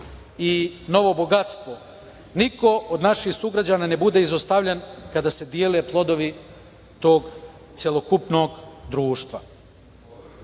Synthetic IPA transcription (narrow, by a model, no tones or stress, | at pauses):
ino̞ʋo̞bo̞ɡat̪st̪ʋo̞ | niko̞od̪naʃixsuɡɾad͡ʑaːnaːne̞bud̪e̞izost̪aʋʎenkad̪aːse̞d̪jeːleplˠo̞d̪o̞ʋi | t̪o̞ːɡ | t̪sjelˠo̞kupno̞ːɡd̪ɾuːʃt̪ʋa̰